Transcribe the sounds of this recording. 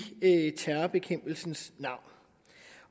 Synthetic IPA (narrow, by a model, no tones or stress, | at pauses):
t͡sʰæɐb̥e̝kʰem̰b̥l̩sn̩snɑ̈ʊ̰n